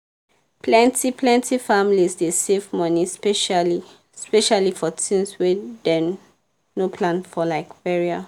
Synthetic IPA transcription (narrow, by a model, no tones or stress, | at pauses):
pʰlɛ̃ntipʰlɛ̃ntʰifamlisdesevmɔ̃nispɛʃali | spɛʃalifɔtʰĩnswɛdɛ | nopʰlãnfɔlaɪkbɛɹia